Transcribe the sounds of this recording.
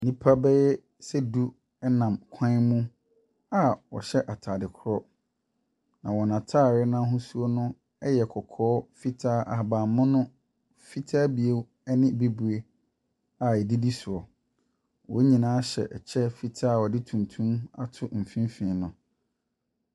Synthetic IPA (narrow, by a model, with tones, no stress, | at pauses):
nĩ˦pʰa˦bɛ˦jɛ˦ | sɛ˦du˦ | ɛ˦nã˨mkʷʰã˦mũ˦ | a˨wɔ̰˨ɕɛ˦ʔa˨tʰaː˨dɪ˨kʰʊ˦ɾɔ˦ | nã˨wɔ˨nã˨tʰa˦˨ɾɪ˦nã˦ɦʊ̃˦su˦o˦nʊ̃˦ | ɛ˦jɛ˨kʰɔ˨kʰɔː˦fi˦tʰaː˦ʔa˨a˨bãː˨mʊ̃˦nʊ̃˦ | fi˦tʰaː˦bi˨e˦ | ɛ˦nɪ̃˦be˦bu˨e˦ | a˨ɛ˨di˦di˦su˨ɔ˨ | wɔ˨˦ɲĩ˨nãː˦ɕɛ̰˨ʔɛ˨t͡ɕʰɛ˦fi˨tʰaː˦˨wɔ˨dɪ˦tʰũ˨ntʰũ˦ma̰˨tʰʊ˦m̩˨fĩ˦mfĩ˨nʊ̃˨